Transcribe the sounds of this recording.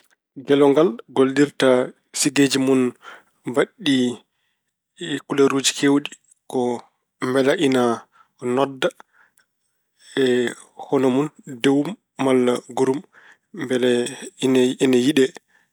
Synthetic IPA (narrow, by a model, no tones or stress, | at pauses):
ɡɛlɔŋɡalɡoldiɾta | siɡed͡ʒimun | baɗːi | kulaɾud͡ʒikʰewɗi | kɔ | mbɛlaʔina | nɔdːa | ɛ | hɔnomundewumː | alːaɡuɾum | bɛlninajiɗɛ